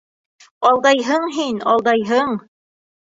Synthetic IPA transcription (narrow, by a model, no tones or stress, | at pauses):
ɑlˠd̪ɑjɦɤɴɦinɑlˠd̪ɑjɦɤɴ